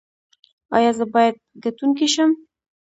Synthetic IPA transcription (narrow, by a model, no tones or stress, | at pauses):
ɑ̰jɑzəbɑjad̪̚ɡat̪unkiʃəm